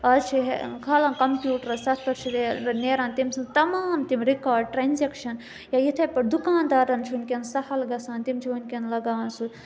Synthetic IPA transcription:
ɐzt͡ʃʰiɦḛkʰaːlaːnkɐmpʲjuːʈɾɐsɐt̪ʰpɐɾt͡ʃʰid̪eɐneːɾaːnt̪imsɐnt̪ɐmaːmt̪imɾikaːɾɖ̚ʈɾanʲzekʃɐn | jajit̪ʰɐpɐʈd̪ukaːnd̪aːɾɐnt͡ʃʰunʲkʲensɐhɐlɡɐsaːnt̪imt͡ʃʰiʋɐnʲkʲenlɐɡaːʋɐnsu

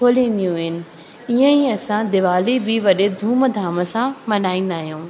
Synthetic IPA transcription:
kʰoːlĩːn̆d̪ijũɦɪnɪ̆ | iːə̃iɐsãd̪ɪʋaːlibʱɪʋɐɗed̪ʱũːməd̪ʱaːmə̆sãmɐnaːĩːn̆d̪aːɦijũː

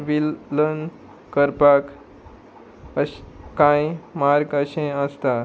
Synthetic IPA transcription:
ʋilːən | kəɾpak | əkãjmaɾɡəɕẽəst̪a

